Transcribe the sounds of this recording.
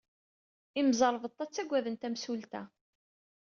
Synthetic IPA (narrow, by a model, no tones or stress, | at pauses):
imzˤɑɾˤvət̪ˤːæt͡sːæɡʷːæðənt̪æmsult̪æ